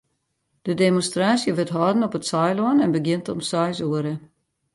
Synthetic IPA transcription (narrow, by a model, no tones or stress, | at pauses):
d̥ədemonstraːsjəʋɪtɦɔːdən̩ɔpətsɔjlɔənɛnbəɡjɪntɔmsɔjsuəɾə